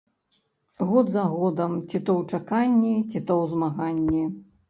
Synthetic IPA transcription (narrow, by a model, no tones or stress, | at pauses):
ɣɔd̪zɐɣɔd̪ɐmt͡sʲit̪ɔwt͡ʂakanʲːit͡sʲit̪ɔwzmaɣanʲːi